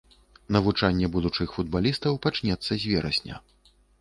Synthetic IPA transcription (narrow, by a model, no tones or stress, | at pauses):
nɐvut͡ʂanʲːɛbud̪ut͡ʂɨxfud̪̚balʲist̪ɐwpat͡ʂnʲɛt̪sːɐzʲvʲɛɾɐsʲnʲɐ̰